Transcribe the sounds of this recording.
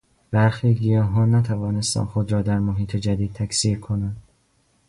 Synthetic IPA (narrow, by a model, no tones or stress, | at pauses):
b̥æɾxiːɡijɒːɦɒːnnæt̪ʰævɒːne̞st̪æ̰nxod̪ɾɒːd̪æɾmoɦiːt̪ʰed͡ʒæd̪iːd̪̚t̪ʰæksiːɾkʰonænd̪